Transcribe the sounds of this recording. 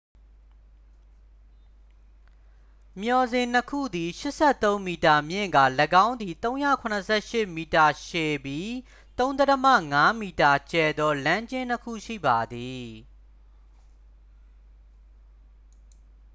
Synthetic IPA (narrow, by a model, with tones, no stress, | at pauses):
mjɔ˨zɪ̃˨n̥əkʰṵ˦˨d̪i˨ʃɪ˦ʔsɛ˦˨t̪õ˦ʊ̃mi˨ta˨mjɪ̰̃˦˨ŋɡa̰˦˨lə˨ɡã˦ʊ̃nd̪ði˨t̪õ˦ʊ̃jä̰˦˨kʰʊ̃˨nəsʰɛ̰˦˨ʃɪ˦˨mi˨ta˨ʃe˨bji˦ | t̪õ˦nd̪ɛ˦təmä̰˦˨ŋa˦mi˨ta˨t͡ɕɛ˨d̪ɔ˦lã˦ɲd͡ʑɪ̃˦n̥əkʰṵ˦˨ʃḭ˦˨ba˨d̪i˨